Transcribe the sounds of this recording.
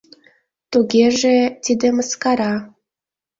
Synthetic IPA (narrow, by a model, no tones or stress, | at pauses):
t̪uɣʲeʒet̪ʲid̪ĕməskɑɾɑ